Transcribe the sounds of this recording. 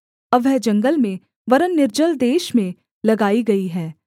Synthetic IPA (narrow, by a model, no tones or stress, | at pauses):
ɐʋɛɦd͡ʒɐ̃ŋɡəlmẽ | ʋɐɾənːɪɾd͡ʒəld̪eːʃmẽ | lɐɡaːiɡɐiɦɛː